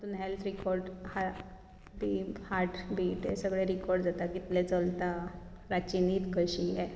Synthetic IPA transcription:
t̪unɦelt̪ʰɾikɔɾɖha | t̪ihaɾʈbʱiːʈesəɡɭeɾikɔɾɖd͡zat̪akit̪let͡səlt̪a | ɾat͡ɕiniːt̪kəɕiɦɛ

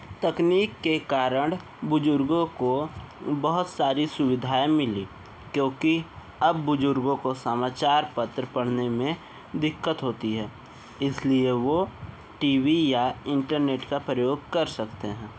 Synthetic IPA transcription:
t̪ɐkniːkːekaːɾəɽ̃ | bʊd͡ʒʊɾɡõko | bɐɦʊt̪saːɾisʊwɪd̪ʱaːemɪliː | kjõːki | ɐbːʊd͡ʒʊɾɡõkosəmaːt͡ʃaːɾpɐt̪ɾəpɐɽ̤nemẽ | d̪ɪkːət̪ɦoːt̪iɦɛː | ɪslieʋo | ʈiːwijaɪ̃ɳʈəɾneːʈkapɾəjoːɡ̚kɐɾsɐkt̪eɦɛ̃ː

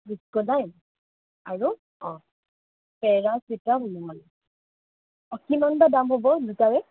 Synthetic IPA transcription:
bukɔnajm | aɹu | ɔ̃ | pɛɹasitamɔn | ɔkimanbadamɦobɔzutaɹɛ

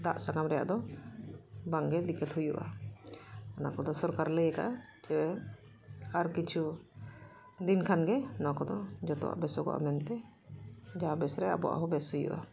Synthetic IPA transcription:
d̪aʔsaɡamɾɛja̰ʔd̪ɔ | baŋɡɛd̪ikɛt̪hujuʔa̰ | anakɔd̪ɔsɔɾkaɾləjəkaʔ | t͡ʃɛwɛ | aɾkit͡ʃʰu | d̪inkʰanɡɛnɔ̃kɔd̪ɔd͡ʒɔt̪ɔ̰wa̰ʔbɛsɔkɔ̰ʔa̰mɛnt̪ɛ | d͡ʒaabɛsɾɛa̰bɔ̰ʔa̰ɦɔbɛshujṵʔa̰

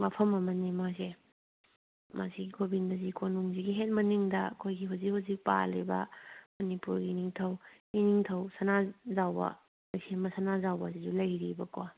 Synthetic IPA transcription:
mapʰɐmɐmɐnimase | mʔa̰siɡiɡʰobindɐzikʰonuŋziɡiɦet̚mɐniŋdɐɐ̰kʰojɡiɦuzik̚huzik̚pa̰lḭbɐ̰mɐnipuɾɡiniŋtʰɐw | iniŋtʰɐwsɐnazawbɐ̰ | ɐsembɐsɐnazawbɐsizulɐjɾibɐkwa

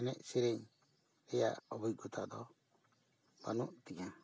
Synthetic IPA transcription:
ɛnɛʔsiɾɛɲ | ɛja̰ɔbuj̚ɡut̪ʰad̪ɔ | b̥a̰nuʔt̪iɲa

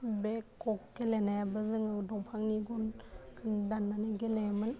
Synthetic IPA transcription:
bekːɔkːelenajabazɯŋawdɔŋpʰaŋniɡɔnkʰɯndanːanaɡelemɯn

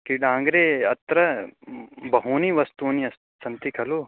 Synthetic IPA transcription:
kiɖãːŋɡɾeːɐt̪ɾɐ | bɐɦuniʋɐst̪uːniɐst̪ | sɐnt̪ikʰɐlu

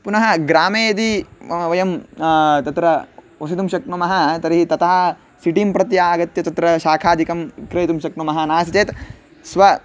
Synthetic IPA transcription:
punɐɦɐɡɾaːmeːɐd̪iʋɐjɐmt̪ɐt̪ɾɐ | osit̪umʃɐk̚nɐmɐɦɐt̪ɐɾiɦit̪ɐt̪ɐɦɐ̆ | siʈimpɾɐt̪jaːɡɐt̪jɐt̪ɐt̪ɾɐʃaːkʰaːd̪ʱikɐmkɾejt̪umʃɐknumɐɦɐnaːsɐt͡ʃeːt̪ | sʋɐ

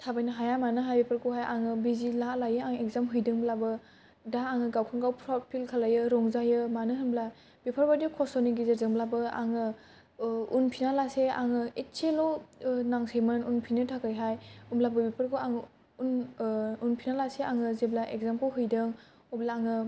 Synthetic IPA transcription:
tʰabajnaɦajamanɯɦajbipʰəɾkʰɔɦajʔaŋɯbizilalajɯaŋek̚zamɦɯjdɯŋblabɯ | daːŋɯɡawkʰaŋɡawpʰɾat̚pʰilkʰalajɯɾɔŋzajɯmanɯɦɯmbla | bipʰaɾbadikʰɔsɔniɡizeɾzɯŋblabɯa̰ŋɯ | unpʰinalasea̰ŋɯett͡ʃelɔnaŋsejmɯnunpʰinɯtʰakɯjɦajumblabɯbipʰəɾkʰoaŋ | ununpʰinalaseaŋɯzeblaʔekzamkʰɔwɦɯjdɯŋ | ɔblaːŋɯ

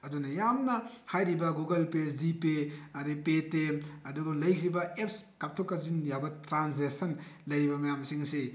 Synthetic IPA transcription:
ɐdunɐjamnɐhajɾibɐɡuɡɐlpesdipeɐɾipetemɐduɡɐlɐjkʰɾibɐep̚skap̚tʰokːɐzinjabɐtɾansesɐnlɐjɾibɐmɐjamsiŋɐsi

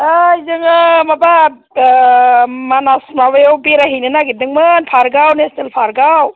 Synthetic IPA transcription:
əjzɯŋɯmaba | manasmawebiɾaɦinɯnaɡit̚nɯŋmɯnpʰaɾɡawnestelpʰaɾɡaw

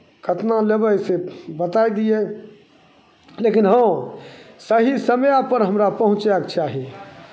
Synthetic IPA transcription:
kʰət̪nalebəjsebət̪ajd̪ije | lekinɦə̃ | səɦisəmjapəɾɦəmɾapəɦũt͡ʃakt͡ʃaɦi

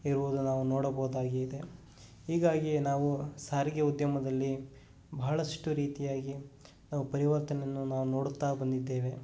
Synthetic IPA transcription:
iɾuʋud̪unaːʋunoːɽɐbɐːd̪aːɡeid̪e̞ | ɦiːɡaːɡinaːʋusaːɾiɡeud̪jɐmɐd̪ɐlːi | bɐɦɐɭɐʂʈuɾiːt̪ijaːɡi | naːʋupɐɾiʋɐɾt̪ɐnenːunaːʋuno̞ːɽut̪ːaːbɐnd̪id̪ːe̞ːʋe̞

